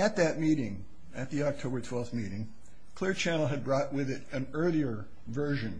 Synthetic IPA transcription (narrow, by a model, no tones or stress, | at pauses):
ɨt̪̚ðɨt̚miɾɪ̃ŋ | ɨt̪̚ðiɑk̚tʰoʊbə˞tʰw̥ɛlˠfθmiɾɪ̃ŋ | kʰl̥ɪɹt͡ʃʰænl̩ˠɨd̚bɹɔʔ̚wɪðɪɾɨ̃nɜ˞lˠiə˞ | vɜ˞ʒɨ̃n